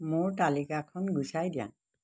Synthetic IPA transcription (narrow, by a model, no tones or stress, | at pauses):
moɹtalikakʰɔnɡusajdijã̰ŋ